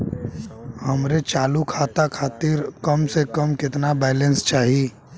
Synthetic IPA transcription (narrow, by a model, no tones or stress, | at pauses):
hɐmɾet͡ʃaːlukʰaːt̪akʰaːt̪iɾkɐmsekəmkɪt̪nabɛːlẽnst͡ʃaːɦiiː